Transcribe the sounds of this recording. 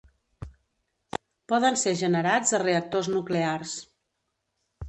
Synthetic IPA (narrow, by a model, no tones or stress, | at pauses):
pɔðənseʒənəɾad͡zəreək̚t̪oznuklears